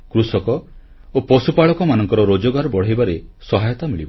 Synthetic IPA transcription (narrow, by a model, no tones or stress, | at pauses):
kɾusɔkɔ | opɔsupaɭɔkɔmanɔŋkɔɾɔɾod͡ʒɔɡaɾɔbɔɽ̤ajbaɾesɔɦajɔt̪amiɭibɔ